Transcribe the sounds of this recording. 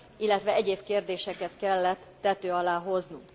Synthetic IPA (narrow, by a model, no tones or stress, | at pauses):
ilːɛt̪ʋɛɛɟeːbkeːrd̪eːʃɛkɛt̪kɛlːɛt̪ːɛt̪øːɒlaːɦo̞znṵŋk